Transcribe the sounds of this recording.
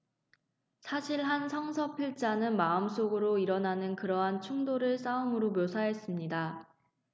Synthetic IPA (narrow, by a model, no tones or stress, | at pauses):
sʰaɕʰiɭɦansʰʌŋsʰʌpʰiɭt͡ɕ͈anɯnmaɯms͈oɡɯɾoiɾʌnanɯnkɯɾʌɦant͡ɕʰuŋdoɾɯɭs͈aumɯɾomjosʰaɦe̞s͈ɯmɲida